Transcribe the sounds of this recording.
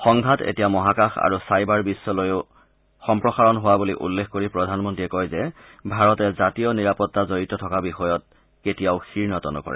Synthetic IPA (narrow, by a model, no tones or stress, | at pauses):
xɔŋɡʱatḛtijamɔɦakaxa̰ɹusajbaɹbisːɔlojʊ | xɔmpɹɔxaɹɔnɦowabuliʔṵlːexkoɹipɹɔdʱanmɔntiɛkɔjzɛ | bʱaɹɔtɛzatijɔniɹapɔtːazoɹitɔtʰɔkabixɔjɔt̚ | ketijaʊxiɹnɔtɔnɔ̰kɔ̰ɹɛ̰